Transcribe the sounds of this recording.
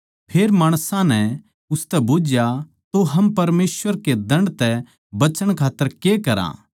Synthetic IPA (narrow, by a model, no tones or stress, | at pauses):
pʰeːɾmaːɽ̃sãnɛ | ʊst̪ɛbʊd͡ʒja | t̪oɦɐmpɐɾmeːsʋəɾked̪ɐ̃ɳɖt̪ɛ | bɐt͡ʃəɽ̃kʰaːt̪ːəɾkekɐɾã̰